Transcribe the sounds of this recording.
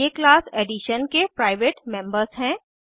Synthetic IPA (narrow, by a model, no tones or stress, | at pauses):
eklaːsɛːɖiʃənkepɾaːɪʋeːʈmɛ̃mbəɾzɦɛ̃ː